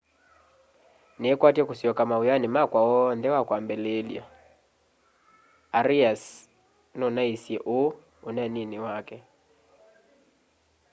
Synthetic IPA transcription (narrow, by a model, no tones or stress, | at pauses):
nɛkwatiɛkusiɔkamaujanimakwawɔndɛwakwambɛlelja̰ | aɾias | nɔnaisiɛʔo | unɛniniwakɛ